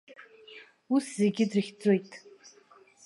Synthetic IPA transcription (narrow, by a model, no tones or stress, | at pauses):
uszeɡʲɪdrɨχʲd͡zo̞jtʼ